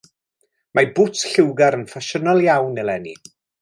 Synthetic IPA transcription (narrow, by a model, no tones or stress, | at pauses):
mabʊtɬɪwɡaɾənfaʃənalˠjawnːɛlˠɛnḭ